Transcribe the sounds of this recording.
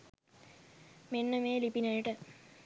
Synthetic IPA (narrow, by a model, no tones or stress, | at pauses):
menːəmeːlipinɐjəʈə